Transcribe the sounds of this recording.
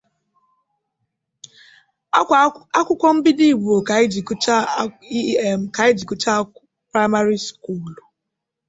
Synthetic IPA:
a˦kʷʊ˦kʷɔ˦m̩˦bi˦di˦˨bu˨o˨ka˨ɪ˦d͡ʒi˨kt͡ʃa˦i˦e˨m̩˨ka˨ɪ˦d͡ʒi˨ku˦t͡ʃa˦ | pɾa˦ɪ˦ma˦ɾi˦sku˦˨l

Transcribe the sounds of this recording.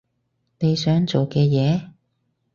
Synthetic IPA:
ne˨˧jsœː˨˥ŋt͡so˨wkɛː˧jɛː˨˧

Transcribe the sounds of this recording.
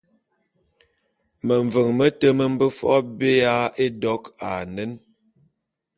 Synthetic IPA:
mə˨ɱ˨və˨ŋmə˦tə˦mə˦m̩˦bə˦fɔ̰˦be˦a˦e˦dɔ˦ka˨nə˦n

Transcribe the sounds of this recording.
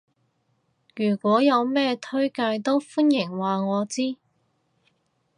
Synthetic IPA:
jyː˨˩kʷwɔː˨˥jɐ˨˧wmɛː˥t̪ʰɵ˥ɥkaː˧jt̪o˥wfuː˥njɪ˨˩ŋwaː˨ŋɔː˨˧t͡siː˥

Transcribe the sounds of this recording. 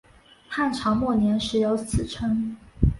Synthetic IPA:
tʰa˥˩nʈ͡ʂʰɑ˧˥ŋmwɔ˥˩njɛ˧˥nʂɻ̩˧˥jo˧˥ʊt͡sʰɹ̩˨˩ʈ͡ʂʰɤ˥ŋ

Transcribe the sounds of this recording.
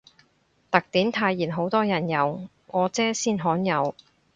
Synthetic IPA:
t̪ɐ˨k̚t̪iː˨˥mt̪ʰaː˧jːiː˨˩nɦo˨˥wt̪ɔː˥jɐ˨˩njɐ˨˧w | ŋɔː˨˧t͡sɛː˥siː˥nɦɔː˨˥njɐ˨˧w

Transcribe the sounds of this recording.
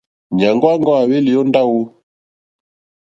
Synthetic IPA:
ɲa˨ŋɡɔ˦a˦ŋɡɔ˦a˨wɛ˦li˨jɔ˦nda˦wu˦

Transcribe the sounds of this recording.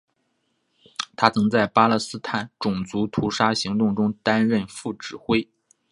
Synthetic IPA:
t̪ʰa˥t͡sʰɤ˧˥ŋt͡sa˥˩ɪpa˥lɤ˥˩sɹ̩˥t̪ʰa˥˩nʈ͡ʂʊ˨˩ŋt͡su˧˥t̪ʰu˧˥ʂa˥ɕi˧˥ŋt̪ʊ˥˩ŋʈ͡ʂʊ˥ŋt̪a˥nɻə˥˧nfu˥˩ʈ͡ʂɻ̩˨˩xwe˥ɪ

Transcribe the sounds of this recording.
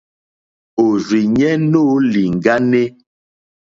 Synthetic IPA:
o˨zi˨ɲɛ˦no˦li˨ŋ̩˨ɡa˦ne˦

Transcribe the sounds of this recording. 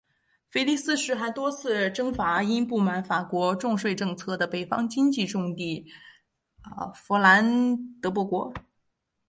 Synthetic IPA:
fe˥ɪli˥˧sɹ̩˥˧ʂɻ̩˧˥xa˧˥ɪt̪wɔ˥t͡sʰɹ̩˥˩ʈ͡ʂɤ˥ŋfa˧˥i˥npu˥˩ma˧˥nfa˨˩kwɔ˧˥ʈ͡ʂʊ˥˧ŋʂwe˥˧ɪʈ͡ʂɤ˥˧ŋt͡sʰɤ˥˩d̪ə˩pe˨˩ɪfɑ̰˥ŋt͡ɕi˥ŋt͡ɕi˥˧ʈ͡ʂʊ˥˧ŋt̪i˥˩˧ | fɔ˧˥la˧˥nt̪ɤ˧˥p̬wɔ˧˥˩kwɔ˧˥

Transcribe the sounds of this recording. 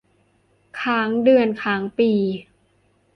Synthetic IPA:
kʰaː˩˦ŋdɯ˧˩ənkʰaː˩˦ŋpiː˨˩

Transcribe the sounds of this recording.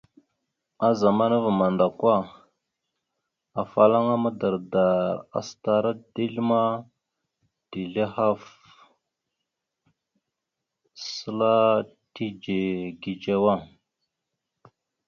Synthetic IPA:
a˦za˨ma˦na˦va˨ma˨nda˨kwa˦ | a˨fa˨la˦ŋa˦ma˦da˨ɾda˨ɾa̰˨sta˨ɾa˦di˦ɮma˦ | d̥i˨ɮe˦ha˦f | sə˦la˦ti˦d͡ʒe˨ɡi˨d͡ʒa˦wa˦˨ŋ

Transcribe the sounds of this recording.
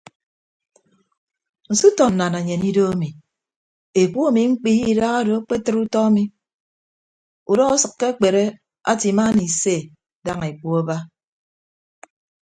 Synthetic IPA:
n̩˨su˦tɔ˨n̩˨na˨na˨ɲe˨ni˦do˦a˦mi˨ | e˨k͡pu˦a˦mi˨ŋ͡m̩˦k͡pi˦ji˦˨˦da˦ɣa˦do˨a˦k͡pe˦tɨ˦ɾu˦tɔ˦a˦mi˨ | u˨dɔ˦ɣa˦sɨ˨kːe˦a˦k͡pe˨ɾe˦ | a̰˦ti˨ma˦ni˨se˦˨ | da˦ŋe˨k͡pu˦a˦ba˦

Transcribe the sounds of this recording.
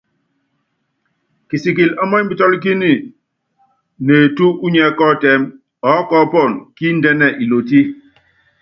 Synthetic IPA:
ki˨si˨k̬i˨lɔ˦mɔ˦m̩˦bi˦tɔ˦lk̬i˦ni˦˨ | ne˨tu˦u˦ɲɛ˦kɔ˦˨tɛ˦m | ɔ˨˦kɔ˦pɔ˦˨nki˦n̩˦dɛ˦nɛ˦˨ʔi˨lo˨t̬i˦

